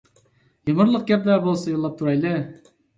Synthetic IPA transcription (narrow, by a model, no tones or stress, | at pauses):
jəməɾlˠəq̚ɡʲɛp̚d̪æbolˠsɑjolːˠɑp̚t̪ʰuɾɑjlɪ